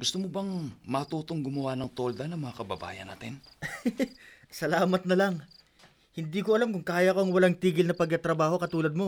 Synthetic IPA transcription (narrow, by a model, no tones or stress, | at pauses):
ɡʊst̪omobɐŋmɐt̪uːt̪oŋɡʊmɐwanɐŋt̪old̪ɐnɐŋmɐŋakɐbɐ̰ba̰ːjɐ̰na̰ːt̪ɪn | sɐlaːmɐt̪̚nɐlɐŋ | hɪnd̪iːkoʔɐlamkʊŋkaːjɐko̞ɐŋwɐlaŋt̪iːɡɪlnɐpɐɡ̚kɐt̪ɾɐbaːho̞kɐt̪uːlɐd̪̚mo̞